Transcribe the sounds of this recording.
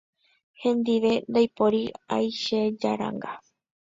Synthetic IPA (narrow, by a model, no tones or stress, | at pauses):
hẽ̞nd̪iʋe̞nd̪ajpoɾiajʃed͡ʒa̰ɾa̰ŋɡa